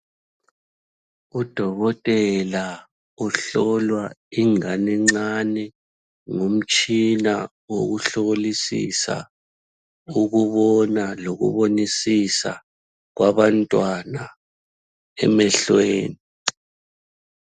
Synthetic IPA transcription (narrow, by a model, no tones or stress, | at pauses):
ud̥ʱɔɣɔtʼɛla | uɬɔlwaiŋanɛŋ͡ǀanɛ | ŋom̩t͡ʃʼina | woɣuɬoɣolisḭsa̰ | uɣuβɔnaloɣṵβonisisa̰ | ɣwaβantʼwana | ɛ̰mɛɬweːni